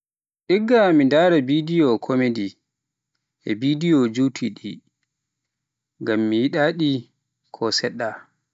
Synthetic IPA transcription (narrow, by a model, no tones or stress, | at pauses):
ʔiɡːamidaːɾɛbidijɔkʰomedi | ʔɛ̰bidijɔd͡ʒutʰiɗi | ɡamːijiɗaɗi | kʰɔsɛɗːa